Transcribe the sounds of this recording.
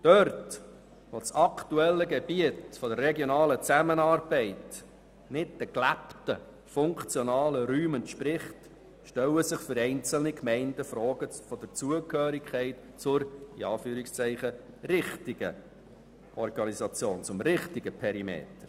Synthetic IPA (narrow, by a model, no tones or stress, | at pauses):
d̥œrt | ʋot͡sɑkʰtuɛlːəɡɛb̥iətfɔdərːɛɡjonɑːlət͡sæmənɑːrb̥ɛɪt | nɪt̚d̥əklæptə | fʊŋkt͡sjɔnɑːləɾyːməntʃpɾɪχt | ʃtɛləsɪχfʏɾɛɪnt͡səl̩nikmɛɪndəfɾɔːɡ̥əfɔd̥əɾt͡suəkhøːɾikʰχɛɪt | t͡sʊɾiɑːfyːɾɪkst͡sɛɪχə | ɾɪχtɪɡ̥ə | ɔrɡɑnisɑt͡sjoːnt͡sʊmɾɪχtiɡəpʰɛɾimḛːt̪əɾ